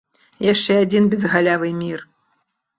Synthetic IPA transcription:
jaʂt͡ʂɛad͡zʲinbʲɛzɣalʲavɨmʲir

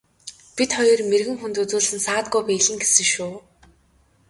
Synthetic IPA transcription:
pit̪χɔjɞ̆rmerɣɘ̆ŋxunt̪ut͡suːɮsɘ̆nsaːt̪ɡujpæːɮɘ̆ŋɡesɘ̆ŋʃʊː

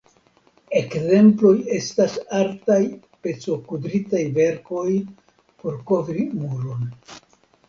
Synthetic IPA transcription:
e̞kze̞mplo̞je̞stasaɾtaj | pe̞t͡so̞kudɾitajve̞ɾko̞j | po̞ɾko̞vɾimuɾo̞n

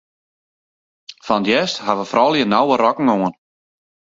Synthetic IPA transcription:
fandjɛsthaʋəfrɔːlˠjənawərɔkŋ̩oən

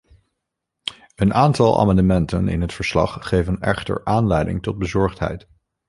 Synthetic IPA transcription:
ənaːntɑlˠʔa̰ːmɑndəmɛntənɪ̰nɦətfəɹslɑ̰χχejvənɛχtə̰ɹʔaːnlɛjdɪ̰ŋtɔd̚bəzɔɹχtɦɛ̰jt

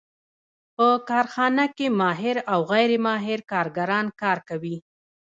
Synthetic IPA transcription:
pəkɑɾxɑnakemɑɦɪɾawɣajɾemɑɦɪɾkɑɾɡaɾɑnkɑɾkawi

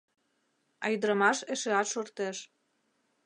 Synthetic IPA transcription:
ɑ̰jd̪əɾə̆mɑʃeʃeɑt̪ʃort̪eʃ

